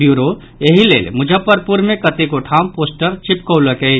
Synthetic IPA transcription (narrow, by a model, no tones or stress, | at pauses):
juɾo | jeɦilḛːlmʊd͡ʒʱəpːəɾpuɾmẽkət̪ekoʈʰampoːsʈəɾt͡ʃipkəʊləkɛ